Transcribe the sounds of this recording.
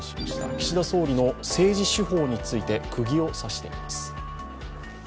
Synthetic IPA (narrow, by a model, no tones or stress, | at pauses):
t̪a̰kʲi̥ɕid̪aso̞ːɾʲino̞se̞ːʑiɕiɦo̞ːɲ̟it͡sɨit̪e̞kʰɯ̟ɡʲio̞saɕi̥t̪e̞̰ḭmasɨ̥